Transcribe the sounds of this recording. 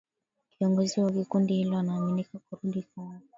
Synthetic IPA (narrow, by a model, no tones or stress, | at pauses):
kiɔŋɡɔziwakikundiilɔnaminikakɔɾundikɔa